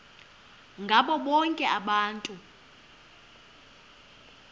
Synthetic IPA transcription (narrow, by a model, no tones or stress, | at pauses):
ŋɡʱaɓɔɓɔŋkʼɛʔaɓaːntʼu